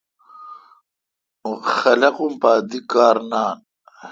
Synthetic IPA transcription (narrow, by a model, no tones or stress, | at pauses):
uxɐlɐqumpaːd̪ikaːɾnaːn